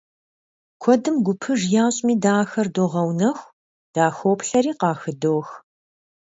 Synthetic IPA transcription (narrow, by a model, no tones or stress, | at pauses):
kʷʰɔdɨmɡʷʊpʰɨʐjaːɕʼmiːdaːxɐrdoːʁɐwnɐxʷ | d̥aːxoːpɬɐɾiːqɑːxɨdoːx